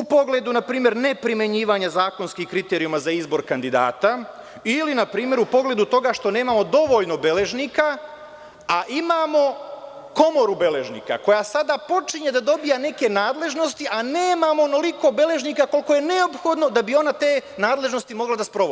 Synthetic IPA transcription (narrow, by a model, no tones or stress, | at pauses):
upo̞ɡle̞d̪unapɾiːmje̞ɾne̞pɾime̞ɲiːʋaɲazaːko̞nskihkɾit̪e̞ɾiumazaizbo̞ɾkand̪id̪a̰ːt̪a | ilinapɾiːmje̞ɾupo̞ɡle̞d̪ut̪o̞ɡaʃt̪o̞ne̞ːmamo̞d̪o̞ʋo̞ʎno̞be̞le̞ʒnika | aʔimamo̞ | ko̞mo̞ɾubele̞ʒnḭːka̰ko̞jasad̪apo̞t͡ʃiɲe̞d̪ad̪o̞bijane̞ke̞naːd̪le̞ʒno̞st̪iʔaneːmamonoliko̞be̞le̞ʒnikako̞lko̞je̞ne̞opxo̞d̪no̞d̪abio̞nat̪e̞ːnaːd̪le̞ʒno̞st̪imo̞ɡlad̪aspɾo̞ʋoi